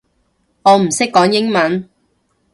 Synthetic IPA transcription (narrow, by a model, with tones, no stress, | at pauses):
ŋɔː˨˧m̩˨˩sɪ˥kːɔː˨˥ŋjɪ˥ŋmɐ˨˥n